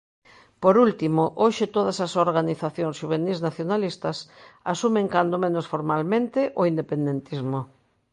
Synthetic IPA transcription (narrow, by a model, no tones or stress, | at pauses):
poɾult̪imoʔoʃɪt̪oðɐsasoɾɣaniθaθjõŋsʃuβ̞enisnaθjonalist̪ɐsasumeŋkand̪omẽnosfoɾmalmẽnt̪ɪʔoind̪epend̪ent̪izmo